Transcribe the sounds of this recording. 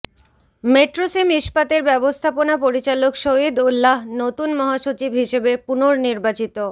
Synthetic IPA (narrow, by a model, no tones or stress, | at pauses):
meʈɾosimiʃpat̪eɾbɛbost̪ʰaponapoɾit͡ɕalokʃoid̪ulːaɦnot̪unmɔɦaʃot͡ɕibɦiʃebepunoɾniɾbat͡ɕit̪o